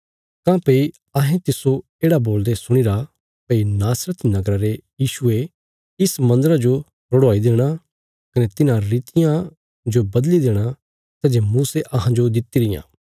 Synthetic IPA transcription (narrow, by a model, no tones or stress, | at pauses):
k̪ãːpei | ɐɦẽt̪ɪso | eːɽaboːld̪esʊɽ̃iɾa | peinaːsɾət̪nɐɡɾaɾejiːʃue | ɪsmɐ̃nd̪əɾad͡ʒo | ɾʊɽoaːid̪eːɽ̃a | kɐnet̪ɪnãɾiːt̪ɪjã | d͡ʒobɐd̪lid̪eːɽ̃a | t̪ɐd͡ʒemuːseʔɐɦãd͡ʒod̪ɪt̪iɾɪjã̰ː